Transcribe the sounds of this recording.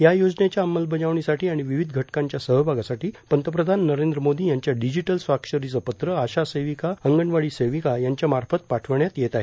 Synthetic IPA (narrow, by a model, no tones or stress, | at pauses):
jajod͡znjat͡ɕjaəmːəlbəd͡ʑaʋɳisaʈiːaɽ̃iʋiʋid̪ʱɡʱəʈkãɲt͡ɕjasəɦəbʱaɡasaʈiːpənt̪əp̬ɾəd̪ʱanːəɾend̪ɾəmod̪iːjaɲt͡ɕjaɖid͡ʑiʈəlsʋakʂəɾit͡səpət̪ɾəaɕasejʋikaəŋɡəɳʋaɭiːseʋikajaɲt͡ɕjamaɾfət̪̚paʈʰəʋɳjat̪jɛt̪aɦe